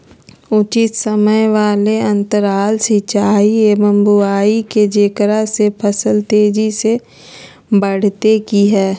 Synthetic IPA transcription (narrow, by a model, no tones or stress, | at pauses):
ʊt͡ʃɪt̪sɐməjʋaːleɐ̃nt̪əɾaːlsit͡ʃaːiemə̃mbuaːiked͡ʒekɾasepʰɐsəlt̪eːd͡ʒise | bɐɽ̤t̪ekiɦɛː